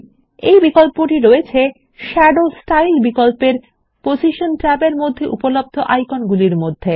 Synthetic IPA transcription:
ejbikolpoʈiɾoet͡ɕʰe | ʃɛɖosʈailbikolpeɾ | posiʃonʈɾɛbeɾmod̪ʱːeʔupolob̚d̪ʱoʔajkonɡuliɾmod̪ʱːe

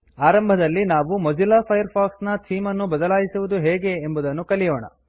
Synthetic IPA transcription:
aːɾɐmbʱɐd̪ɐlːinaːʋumɐd͡ʒilaːpʰɐjɐɾpʰaːksnɐtʰiːmɐnːubɐd̪ɐlaːjisuʋud̪uɦɛːɡe̞ːmbud̪ɐnːukɐlijoːɳɐ̰

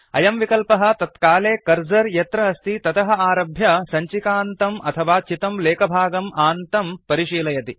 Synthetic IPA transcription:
ɐ̰jɐmʋikɐlpɐɦɐ̆t̪ɐt̪kaːleːkɐɾd͡ʒɐɾjɐt̪ɾɐːst̪ʰit̪ɐt̪ɐɦɐaːɾɐbʱjɐsɐɲt͡ʃikaːnt̪ɐmɐ̰t̪ʰɐʋaːt͡ʃit̪ɐmleːkɐbʱaːɡɐmaːnt̪ɐmpɐɾiʃiːlɐjɐt̪i

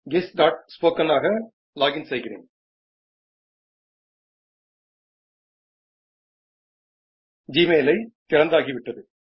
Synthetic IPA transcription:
ɡɪsɖaːʈspoːkɐnaːɣɐ | laːɡɪnsɛjɣɪrḛːn | d͡ʒiːmeːlɐɪt̪ːɪɾɐnd̪aːɣiʋɪʈːɐðɯ

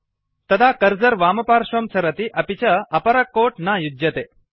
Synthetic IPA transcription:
t̪ɐd̪akɐɾd͡ʒɐɾʋaːmɐpaːɾʃʋɐmt͡ʃɐɾɐt̪iʔɐpit͡ʃɐɐpɐɾɐkːoːʈnajud̪jɐt̪e

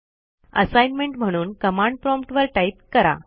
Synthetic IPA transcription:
ə̰sajnmeɳʈm̤əɽ̃uːnkəmaɳɖ̚pɾɔmpʈʋəɾʈaip̚kəɾa̰

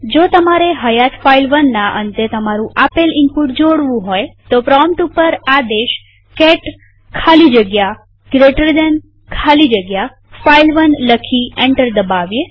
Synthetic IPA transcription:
d͡ʒot̪əmaɾeɦəjat̪failʋənːaʔə̰nt̪et̪əmaɾũʔapelɪmpuʈd͡ʒoɽʋũɦojt̪opɾɔmʈupəɾad̪eʃ | kɛʈ | kʰalid͡ʒəɡja | ɡɾeʈəɾd̪ɛn | kʰalid͡ʒəɡja | failʋənləkʰiẽɳʈəɾd̪əbaʋje

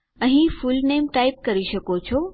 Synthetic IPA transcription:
əɦĩfulnemʈaip̚kəɾiʃəkot͡ʃʰo

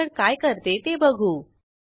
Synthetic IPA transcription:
əɳkajkəɾt̪et̪ebəɡʱuː

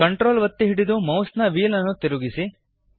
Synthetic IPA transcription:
kɐɳʈɾoːlʋɐt̪ːiɦiɽid̪umɐwsnɐʋiːlɐnːut̪iɾuɡisi

